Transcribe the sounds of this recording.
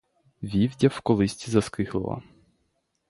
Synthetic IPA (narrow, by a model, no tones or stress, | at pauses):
ʋʲiwdʲɐwkɔlˠɪsʲtʲizɐskɪxlˠɪ̰lˠɐ̰